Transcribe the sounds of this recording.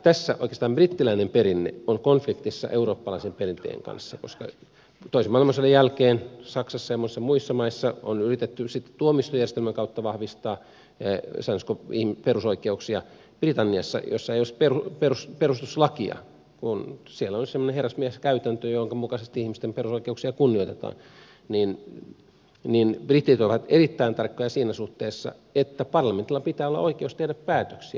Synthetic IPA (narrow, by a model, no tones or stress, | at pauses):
t̪æsːæʔoikest̪ɑːmb̥rit̪ːilæinemperinːḛoŋkonflikt̪isːɑ̰ʔeuroːpːɑlɑisemperint̪ḛːŋkɑ̰nsːɑkoskɑ | t̪oisemɑˑilmɑsolːejælkeːnsɑksɑsːɑjɑmːosesːɑmuisːɑmɑisːɑo̰nyrit̪et̪ːysit̪ːe̥t̪uomist̪ojærest̪elmæŋkɑut̪ːɑʋɑhʋist̪ɑː | sɑnskoihmperusoikeuksiɑ | b̥rit̪ɑnːiɑsːɑ̰jo̰sːɑejolesperuperusperust̪uslɑkiɑ̰ | kunsielːæolsemːoneheræsmieskæyt̪ænt̪øjooŋkɑmukɑsest̪iihmist̪emperusoikeuksiɑkunːioit̪et̪ɑ̰ːn | nin | ninb̥rit̪ːit̪oʋɑt̪erit̪ːæint̪ɑrkːojɑsiːnæsuht̪eːsːɑ̰ | et̪ːæpɑrlɑment̪ilːɑpit̪æːolːɑ̰ʔoikeust̪ehdæppæːt̪øksiæ̰